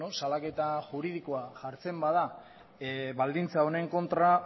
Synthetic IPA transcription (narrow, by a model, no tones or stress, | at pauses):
osalake̞t̪aʝuɾið̞ikoaʝaɾt͡se̞mbað̞a | βald̪int͡sao̞ne̞ŋko̞nt̪ɾa